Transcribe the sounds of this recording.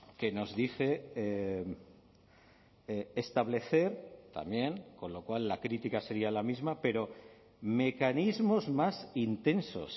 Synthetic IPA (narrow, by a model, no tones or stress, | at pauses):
ke̞no̞zðiθe̞e | st̪aβle̞θe̞ɾt̪a̰mje̞ŋko̞nlo̞kwalːakɾit̪ikase̞ɾialamizmape̞ɾo̞ | me̞kanizmo̞zmasint̪e̞nso̞̰s